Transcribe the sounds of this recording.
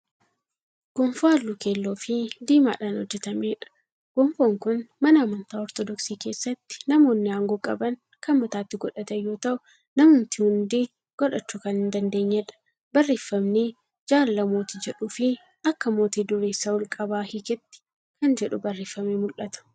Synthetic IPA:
ɡ̥ɔɱfaːlːʊkeːlːoːfɪd̪iːma̰ːᶑaːnhɔd͡ʒːɛt̪ɐmeːᶑɐ̥ | ɡ̥ɔɱfoːŋkʊnmɐnɐɐmɐnt̪aːɔɾt̪ɔd̪ɔksiːke̞ːsːɐt̪ːɪ̥nɐmo̞ːnːɪhaːŋɡoːkʼɐbɐn | kʰɐnmɐt̪aːt̪ːɪɡɔᶑɐt̪ɐjːoːt̪ɐʔʊ | nɐmhʊnt̪ɪhʊnd̪i | ɡ̥ɔᶑɐt͡ʃːuːkɐnhɪnd̪ɐnd̪e̞ːɲːɛᶑɐ̥ | bɐrːeːfːɐmne | d͡ʒaːlɐlɐmoːt̪id͡ʒɛᶑʊfɪ | ɐkːɐmo̞ːt̪iːd̪ʊɾeːsːɐwɔlkʼɐbaːhɪkɛt̪ːɪ̥ | kɐnd͡ʒɛᶑʊbɐrːeːfːɐmemʊlʔɐt̪ɐ̥

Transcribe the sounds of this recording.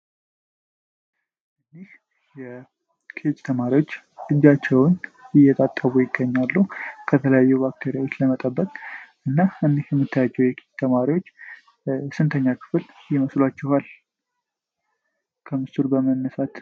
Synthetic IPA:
ʔɨnːih | jɛ | kʰet͡ʃʼt̪ʰəmaɾiwo̞t͡ʃː | lɨd͡ʒat͡ʃːɛwnɪjːɛt̪ʼat̪ʼːəβujɪɡːəɲːalːukʰət̪ʰələjajːubak̚t̪ʰeɾjawot͡ʃːləmət̪ʼəbːət̪ʼʔɨnːaɨnːihjɛmːɨt̪ʰːəjad͡ʒːɛwjɛkʰet͡ʃt̪ʰəmaɾiwo̞t͡ʃː | sɨnt̪ʰəɲːakʰɨ̥fɨljɪməslwat͡ʃːɛhal | kʰəmɨst̪uɾbəmənːəsat̪

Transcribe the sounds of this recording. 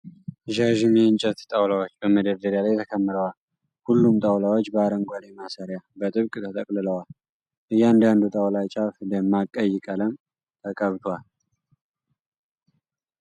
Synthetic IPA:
ʒaʒɨmjɛɨnt͡ʃʼət̪t̪ʼawlawot͡ʃːbəməd̪əɾd̪əɾjalajt̪ʰəkʰəmːɨɾəwal | hulːumt̪ʼawlawot͡ʃːbəaɾəŋɡʷalemasaɾjabət̪ʼɨβkʼt̪ʰət̪ʼəkʼlɨləwal | ʔɨjːand̪and̪ut̪ʼawlat͡ʃʼafd̪əmːakʼəjːɪkʼələm | t̪ʰəkʼəβt̪ʰowal

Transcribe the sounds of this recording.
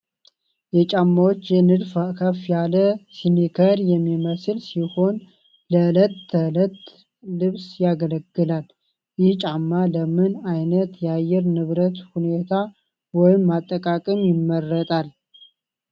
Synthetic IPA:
jɛt͡ʃʼamːawot͡ʃːjɛnɨd̪fakʰəfjaləsinikʰəɾjɛmːiməsɨlsiho̞n | lələt̪ːələt̪ː | lɨβsjaɡələɡːɨlal | jɪht͡ʃʼamːaləmɨnajnət̪jɛajɛɾnɨβɾət̪hune̞t̪ʰa | wɔjɪmːat̪ʼːəkʼakʼɨmjɪmːərːət̪ʼal

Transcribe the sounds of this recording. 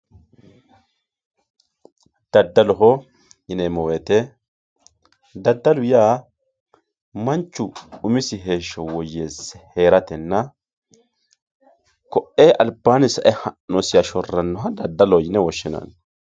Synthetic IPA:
d̪̥ɐd̪ːɐlɔɦɔ | jɪnemɔweːt̪ɛ | d̪ɐd̪ːɐlʊjaː | mɐnt͡ʃːʊʊmɪsɪɦe̞ːʃːɔwɔjːeːsɛhe̞ːɾɐt̪ɛnːɐ | kɔʔeːʔɐlbaːnɪsɐʔɛhɐnːɔsɪjɐʃɔrːɐnːɔɦɐd̪ɐd̪ːɐlɔjɪnɛwɔʃːɪnɐ̰n

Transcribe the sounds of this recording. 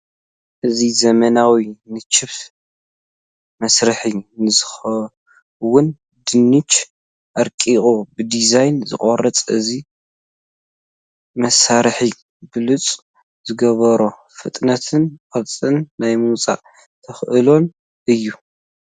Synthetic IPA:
ʔɨzizɐmɐnawinɨt͡ʃʰːɨβt | mɐsɾɨħinɨzɨxɐ | wʊn | d̪ɨnːɨt͡ʃ | ʔɐɾkʼiχʼubɨd̪izajnzɨ̰kʼorːɐt͡sʼɨzi | mɐsaɾħi | bɨlut͡sʼ | z̥ɨɡɐβɐɾo | fɨt̪ʼnɐt̪ʰɨnqʼɐt͡sʼɨnːajmut͡sʼa̰ʔ | t̪ʰɐxʔɨlo̞n | ʔɨjːu

